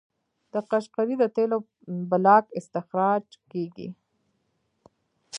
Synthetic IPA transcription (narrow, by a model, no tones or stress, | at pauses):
d̪̥əqaʃqaɾid̪ət̪elo | balɑkɪst̪ɪxɾɑd͡ʒkeɡḭ